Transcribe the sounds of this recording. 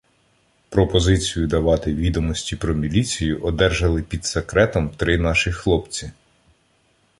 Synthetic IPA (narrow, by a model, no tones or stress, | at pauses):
pɾɔpɔzɪt͡sʲijʊd̪ɐʋɑt̪ɪʋʲid̪ɔmɔsʲtʲipɾɔmʲilʲit͡sʲijʊʔɔd̪ɛrʒɐlˠɪpʲid̪sekɾɛt̪ɔmt̪ɾɪnɑʃɪxlˠɔpt͡sʲi